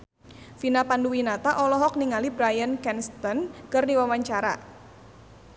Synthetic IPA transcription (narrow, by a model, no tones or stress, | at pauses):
finapanduwinat̪aʔɔlɔɦɔk̚niŋalibɾajənkɛnst̪ɔnkərdiwawaɲt͡ʃaɾa̰